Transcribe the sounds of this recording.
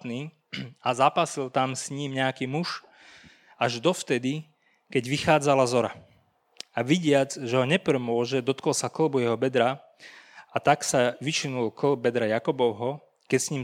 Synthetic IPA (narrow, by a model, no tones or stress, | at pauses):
t̪niː | azapasilt̪amsɲiːmɲɛakiːmuʒ | aʒd̪ɔft̪ɛd̪i | kɛɟʋixaːd͡zalazɔɾa̰ | aʋiɟɪad͡zʒɛɦɔɲɛpɾɛmʊɔʒɛd̪ɔt̪kɔlsakl̩bujɛɦɔbɛd̪ɾa | at̪aksaʋiʃinulkl̩bbɛd̪ɾajakɔbɔʊɦɔ | kɛcsɲiːm